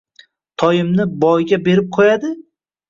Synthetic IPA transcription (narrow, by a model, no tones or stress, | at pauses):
t̪ʰɒjɪmnɪbɒjɡʲabe̞ɾɪp̚qʰojad̪ɪ